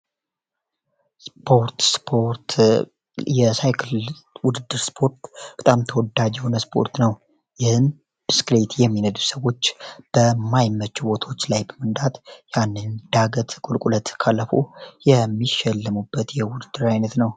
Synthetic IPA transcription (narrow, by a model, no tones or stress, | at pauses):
spʰo̞ɾt̪spʰoɾt̪ | jɛsajkʰlwʊd̪ɨd̪ːɨɾspʰo̞ɾt̪b̥ət̪ʼamt̪ʰəwɔd̪ad͡ʒɛho̞nəspʰo̞̰ɾt̪nəw | jɪhɨm | b̥ɨsklet̪jɛmːinəd̪usəwo̞t͡ʃːb̥əmajmːət͡ʃːubo̞t̪ʰo̞t͡ʃːlajbəmənd̪at̪janːɨnd̪̥aɡət̪kʼulkʼulət̪kʰalːəfo̞̰jɛmːiʃɛlːəmubːət̪jɛwʊd̪ɨd̪ːɨɾajnət̪nəw